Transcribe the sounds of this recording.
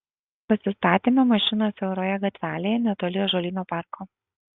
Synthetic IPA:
pɐsʲɪst̪ɑːt̪ʲeːmʲɛmɐʃʲɪnoːsʲɛʊɾoːjɛɡɐt̪ʲʋʲæːlʲeːjɛnʲɛt̪oːlʲɪjoːʒoːlʲiːnoːpɑˑɾkoː

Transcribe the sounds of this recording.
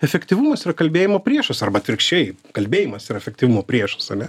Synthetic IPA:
ɛfʲɛkt̪ʲiʋumɐsiːɾɐkɐlʲbʲeːjɪmoːpʲɾʲiɛʃɐsɐrbɐt̪ʲʋʲɪɾʲkʃʲt͡ʃʲɛɪkɐlʲbʲeːjimɐsiɾɐɛfʲɛk̚t̪ʲiʋumoːpʲɾʲiɛʃɐ̥sɐnʲɛ

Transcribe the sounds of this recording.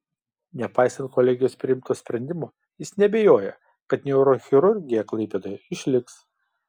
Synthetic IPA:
nʲɛpɑˑɪsɐnt̪̚kɔlʲɛɡʲɪjoːspʲɾʲɪɪmt̪oːsʲpʲɾʲɛnʲd̪ʲɪmoː | jɪsnʲɛbʲɛjoːjɛ | kɐt̪nʲɛʊɾoxʲɪɾʊɾʲɡʲɪjɛklˠɐɪpʲɛd̪oːjɛɪʃʲlʲɪks

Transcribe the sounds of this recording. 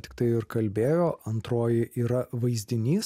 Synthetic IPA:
t̪ʲɪ̥kt̪ɐɪɪɾkɐlʲbʲeːjoːɐnt̪ɾoːjɪʔiːɾɐʋɐɪzʲd̪ʲɪnʲiːs

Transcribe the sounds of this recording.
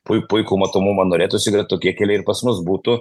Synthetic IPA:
pʊɪpʊɪkuːmɐt̪oːmumɐnoːɾʲeːt̪ʊʃsʲɪɡɾʲɐt̪̚ʲoːkʲiɛkʲɛlʲɛɪɾpɐsmʊsbuːt̪ʊ

